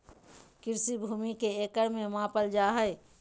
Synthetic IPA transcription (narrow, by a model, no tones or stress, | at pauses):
kɪɾsibʱuːmikeekəɾmẽmãpəld͡ʒaɦəɪ